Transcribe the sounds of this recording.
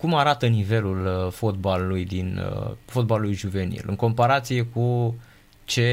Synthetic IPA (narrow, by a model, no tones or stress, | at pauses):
kumaɾat̪ənive̞lulfo̞t̪̚balulujd̪info̞t̪̚balulujʒuve̞nḭlʔɨ̰ŋko̞mpaɾat̪sije̞ku | t͡ʃe̞